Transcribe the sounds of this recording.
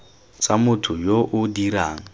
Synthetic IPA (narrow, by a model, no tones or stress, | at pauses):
t͡samʊtʰʊjoʔʊdiɾaːŋ̩